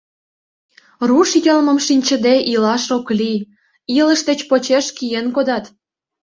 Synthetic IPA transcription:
ruʃjəlmə̆mʃinʲt͡ɕə̆d̪eʔilɑʃokli | ilə̆ʃd̪et͡ɕpot͡ɕeʃkijenkod̪ɑt̪

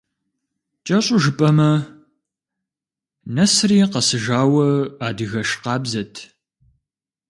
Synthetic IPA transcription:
t͡ʃʼɐɕʼʊʒɨpʼɐmɐ | nɐsriːqɐsɨʒaːwɐaːdɨɣɐʃqɑːbzɐtʰ

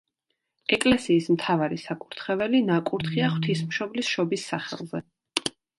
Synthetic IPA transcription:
ɛkʼlɛsiːsmt̪ʰavaɾisakʼuɾt̪ʰχɛvɛlinakʼuɾt̪ʰχiaχwt̪ʰismʃɔblisʃɔbisːaχɛ̰lˠzɛ

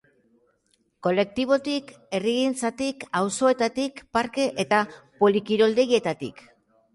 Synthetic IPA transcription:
ko̞le̞k̚t̪iβ̞o̞t̪ik | e̞riɣint͡sat̪ikawso̞e̞t̪at̪ikpaɾke̞ʔet̪apo̞likiɾo̞ld̪e̞je̞t̪at̪ḭk

